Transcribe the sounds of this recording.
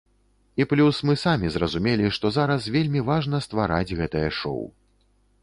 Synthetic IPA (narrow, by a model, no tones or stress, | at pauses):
iplʲusmɨsamʲizrɐzumʲelʲiʂt̪ɔzaɾɐsvʲelʲmʲivaʐnɐst̪vaɾa̰d͡zʲɣɛt̪ɐjɐʂɔ̰w